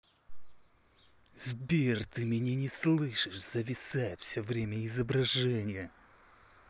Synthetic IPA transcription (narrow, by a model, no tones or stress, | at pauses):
zbʲert̪ɨmʲɪnʲenʲɪslˠɨʂɨʂz̥əvʲɪsajɪt̪fʲsʲovɾʲemʲəɪzəbɾɐʐɛnʲɪjə